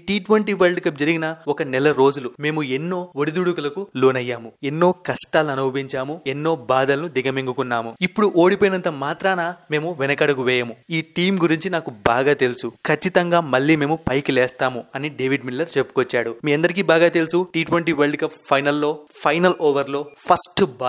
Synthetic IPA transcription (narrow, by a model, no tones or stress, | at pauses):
ʈiːʈʋeɳʈiːʋɐlɖkɐp̚d͡ʒɐɾiɡinɐɔkɐnɛlɐɾo̞ːd͡ʒulume̞ːmuenːo̞ːoɽid̪uɽukulɐkuloːnɐjːaːmuenːo̞ːkɐsʈaːlɐnɐwbiɲt͡ʃaːmuenːo̞ːbaːd̪ɐlɐnud̪iɡɐmeŋɡukunːaːmuipːuɽuʔo̞ːɽipoːjinɐnt̪ɐmaːt̪ɾaːname̞ːmuʋɛnɐkɐɽɐkuʋɛːjɐmuiːʈiːmɡuɾiɲt͡ʃinaːkubaːɡaːt̪e̞lusukʰɐt͡ʃːit̪ɐŋɡaːmɐɭːiːme̞ːmupɐjklɛːst̪aːmuɐniɖeːʋiɖmilːɐɾt͡ʃepːu̥kot͡ʃːaːɽumiːɐnd̪ɐɾik̬iːbaːɡaːt̪elusuʈiːʈʋeɳʈiːʋelɖkɐppʰɐjnɐlːo̞ːpʰɐjnɐloːʋɐɾlo̞ːpʰɐsʈb